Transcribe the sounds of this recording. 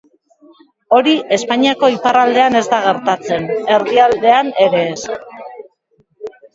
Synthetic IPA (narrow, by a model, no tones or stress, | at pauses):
o̞ɾie̞spaɲiako̞iparald̪e̞ane̞zd̪aɣ̞e̞ɾt̪at͡se̞ne̞ɾðiald̪e̞ane̞ɾe̞ːs